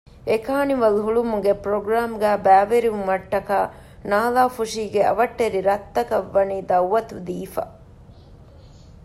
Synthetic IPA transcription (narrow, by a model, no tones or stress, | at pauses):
ekaːniʋɐluɦuɭumuɡepɾoɡɾaːmɡæːbæːʋeɾiʋumɐʈːɐkaː | naːlaːfuʂiːɡeɐ̰ʋɐʈːeɾiɾɐt̪ːɐkɐʋːɐniːd̪ɐwʋːɐt̪ud̪iːfɐ̰